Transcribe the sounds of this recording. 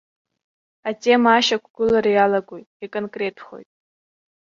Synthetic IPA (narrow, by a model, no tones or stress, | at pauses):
atʼe̞maːʃakʷʰɡ̥ʊlaɾajalaɡʷojtʼikʼonkʼre̞tʰχo̞̰jtʼ